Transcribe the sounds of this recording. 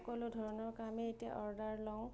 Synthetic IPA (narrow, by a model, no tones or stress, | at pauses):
kɔlʊdʱɔɹɔnɔɹkameetia̰ʔɔɹdaɹlɔʊ̃